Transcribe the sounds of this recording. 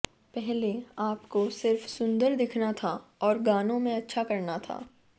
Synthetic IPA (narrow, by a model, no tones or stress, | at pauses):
pɛɦleaːpkosɪɾfsʊ̃nd̪əɾd̪ɪkʰnat̪ʰaɔːɾɡaːnõmẽɐtːʃʰakɐɾnat̪ʰa̰ː